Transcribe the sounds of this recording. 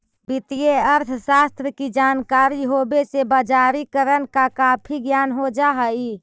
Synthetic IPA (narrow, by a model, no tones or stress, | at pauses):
bit̪ijeəɾt̪ʰʃast̪ɾəkid͡ʒankaɾiɦobesebad͡ʒaɾikəɾənkakapʰiɡjanɦod͡ʒaɦəi